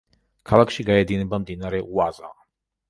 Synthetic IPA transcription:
kʰalˠakʰʃiɡaɛd̪inɛbamd̪inaɾɛuaza̰

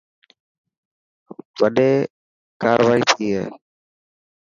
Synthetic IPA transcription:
ʋəɗeː | kaːɾʋaːiːt̪ʰiːɦɛ̰ː

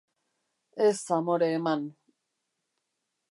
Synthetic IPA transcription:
esamoɾeːman

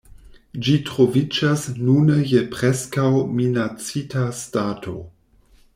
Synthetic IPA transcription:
d͡ʒitɾovid͡ʒasnunəjepɾeskawminat͡sitastatʰo̞̰

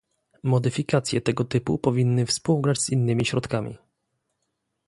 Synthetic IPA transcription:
mɔd̪ɘfʲikat̪sʲjɛt̪ɛɡɔt̪ɘpṵpɔvʲinːɘfspuwɡɾad͡ʑz̥inːɘmʲiɕɾɔt̪kamʲḭ

